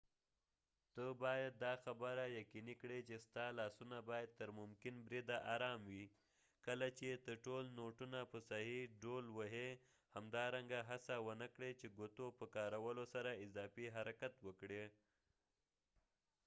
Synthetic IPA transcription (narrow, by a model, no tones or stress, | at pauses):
t̪əbɑjad̪̚ːɑxabəɾajakinikɽet͡ʃest̪ɑlɑsunabɑjad̪̚t̪əɾmʊmkɪnbɾid̪aʔaɾɑmwi | kəlat͡ʃet̪əɾʈolnoʈunapəsaɦiɖolwəɦe | hamd̪ɑɾaŋɡaɦasawənəkɽet͡ʃeɡot̪opəkɑɾawəlosaɾaɪzɑfiɦaɾakat̪wəkɽe